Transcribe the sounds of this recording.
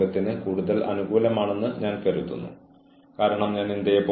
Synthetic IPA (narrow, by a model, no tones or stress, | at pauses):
ɐt̪ːinɨkuːɽuðɐlʔɐ̰nuɡuːlɐmaːɳe̞nːɨɲaːnkɐɾut̪ːṵnːṵ | kaːɾɐɳɐmɲaːnind̪ɐjɐpo